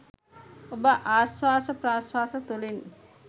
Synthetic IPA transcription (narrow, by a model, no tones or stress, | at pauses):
obəʔaːswaːsəpraːswaːsət̪ulin